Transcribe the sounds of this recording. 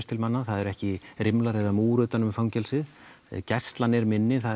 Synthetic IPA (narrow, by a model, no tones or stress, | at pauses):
st̪ʰɪlmanːaθaðɛɾɛhcɪɾɪmlaɾɛðamuːɾʏt̪anʏmfawɲcɛlsɪð | cɛst̪lanːɛɾmɪnːɪθað